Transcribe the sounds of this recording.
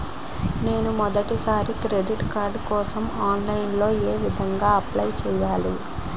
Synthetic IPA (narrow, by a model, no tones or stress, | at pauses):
ne̞ːnumɔd̪ɐʈisaːɾikɾeɖiʈkaːɾɖkɔːsɐmaːnlɐjinlo̞ːeːʋid̪ʱɐŋɡaːɐplɐjt͡ʃɛːjaːli